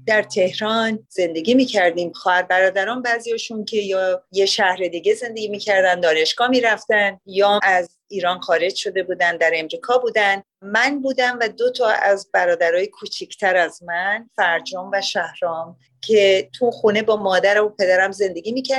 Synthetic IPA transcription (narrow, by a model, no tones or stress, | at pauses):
d̪̥æɾt̪ʰe̞hɾɒːnze̞nd̪e̞ɡiːmiːcʰæɾd̪iːmxɒːhæɾbæɾɒːd̪æɾɒːnbæzijɒːʃuncʰe̞jɒjeʃæhɾe̞d̪iːɡe̞ze̞nd̪e̞ɡimiːcʰæɾd̪ænd̪ɒːne̞ʃɡ̥ɒːmiːɾæft̪ænjɒːæz | iːɾɒːnxɒːɾe̞d͡ʒʃo̞d̪e̞buːd̪ænd̪æɾe̞mɾiːkʰɒːbuːd̪æn | mænbuːd̪æmvæd̪o̞t̪ʰɒːæ̰zbæɾɒːd̪æɾɒːjekʰut͡ʃʰicʰt̪ʰæɾæzmænfæɾd͡ʒɒːmvæʃæhɾɒːm | cʰe̞t̪ʰuxune̞bɒːmɒːd̪æɾæmopʰe̞d̪æɾæmze̞nd̪e̞ɡʲiːmiːcʰæ